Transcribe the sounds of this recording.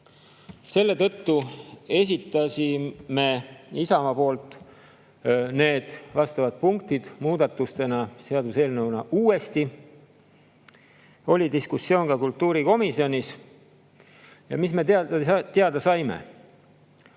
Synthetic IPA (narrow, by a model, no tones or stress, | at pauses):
se̞lːe̞t̪ɤ̞t̪ːue̞s̬ʲit̪ːˑɑsime̞isɑmɑpo̞ːlt̪ːˑ | ne̞ːd̪̥vɑst̪ɑvɑd̪̥̚puŋk̚t̪id̪̥muːd̪̥ɑt̪ːust̪e̞nɑseɑd̪use̞ːlnɤwnɑʔuːe̞st̪i | o̞lʲid̪iskusːjo̞ːnkɑkult̪ːuːɾiko̞misjo̞nʲis | jɑ̰misme̞t̪eɑd̪̥ɑsɑjme̞̰